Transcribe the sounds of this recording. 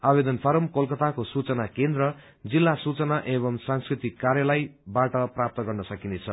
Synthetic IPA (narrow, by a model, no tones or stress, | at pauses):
abed̪ʌnpʰʌɾʌmkolkʌt̪akosut͡sʌnakend̪ɾʌ | d͡zilːasut͡sʌnaʔeβʌmsãnskrit̪ikːaɾjʌlajbaʈʌprap̚t̪ʌɡʌrnʌsʌkinet͡sʰʌ